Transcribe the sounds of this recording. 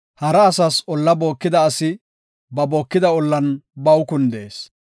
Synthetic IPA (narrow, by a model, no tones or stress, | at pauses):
hɐɾɐːsɐsɔlːɐbo̞ːkːɪd̪ɐːsɪ | bɐboːkːɪd̪ɐɔlːɐnbɐwkʊnd̪e̞̰ːs